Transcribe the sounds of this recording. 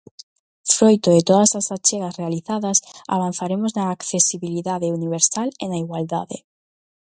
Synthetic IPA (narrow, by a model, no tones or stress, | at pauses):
fɾojt̪oðet̪oðasasat͡ʃeɣasrealiθaðasa̰β̞an̟θaɾemoznaːkθesiβiliðaðeuniβ̞eɾsalenaiɣwald̪a̰ðe